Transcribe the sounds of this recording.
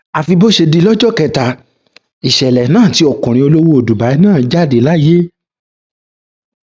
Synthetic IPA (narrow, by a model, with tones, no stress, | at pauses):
a˧fi˧bo˦ʃe˧di˧˦lɔ˦d͡ʒɔ˦˨kɛ˧˨ta˨ | i˨ʃɛ˨lɛ˨˦nãː˦˨ti˧˦ɔ˨kũ˨ɾ̃ĩ˧o˧lo˦wo˦o˨du˨ba˨˦i˦nãː˦˨d͡ʒa˦˨de˨˦la˦je˦